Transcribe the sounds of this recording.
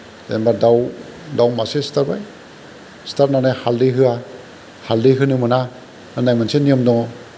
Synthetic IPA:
embadawdawmasestaɾbaj | staɾnanɯhalːiɦɯa | haldiɦɯnɯmɯna | nanajmanseniɯmdɔ

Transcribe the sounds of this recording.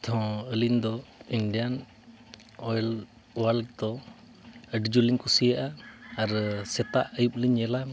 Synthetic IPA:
t̪ʰɔ̃əlind̪ɔiɳɖijan | ɔɛl | uwalk̚d̪ɔ | əɖd͡ʒuliŋkusijaʔaːɾsɛt̪aʔəjup̚liɲɛla

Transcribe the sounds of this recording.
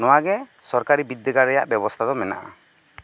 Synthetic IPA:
nɔwaɡɛsɔɾkaɾibid̪jəɡaɾɛja̰ʔbjɛbɔst̪ʰad̪ɔmɛna̰ʔa̰

